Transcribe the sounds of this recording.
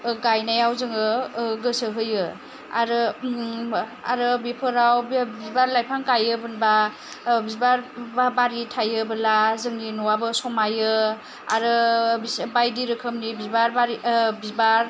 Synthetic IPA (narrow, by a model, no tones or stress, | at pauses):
ɡajnajawzɯŋɯɡɯsɯɦɯjɯ | a̰ɾɯ | a̰ɾɯbipʰɯɾawbbibaɾlajpʰaŋkajɯbɯnba | bibaɾbaɾitʰajɯbɯlazɯŋninɔwabɯsɔmajɯ | a̰ɾɯbibajdiɾɯkʰɯmnibibaɾbaɾibibaɾ